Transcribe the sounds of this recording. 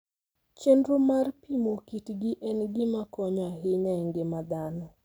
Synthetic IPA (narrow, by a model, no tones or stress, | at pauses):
t͡ʃendɾomarpimokitɡɪʔɛnɡɪmakɔɲɔaɦɪɲɛŋɡɪmad̪anɔ